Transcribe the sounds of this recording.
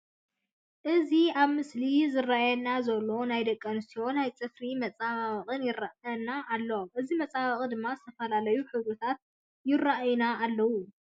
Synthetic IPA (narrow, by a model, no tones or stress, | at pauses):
ʔɨziaβmɨslizɨrːajɛnːazɐlːo̞najd̪ɐkʼːɐnɨst̪ʰijo̞najt͡sʼɨfɾimɐt͡sʼaβaβɐχʼɨnjɪraʔɐnːaʔːlːɐomʔɨzimɐt͡sʼaβɐkʼɨd̪ɨmːazɨt̪ʰɐfɐlalɐjuħɨβut̪ʰat̪̚ | jɪrːaʔjnaːlːɐwu